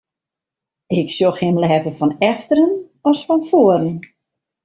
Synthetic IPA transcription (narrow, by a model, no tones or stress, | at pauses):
ɪksjoxɪnlɛvəfɔnɛxtəɾən | ɔsfɔnfoəɾən̩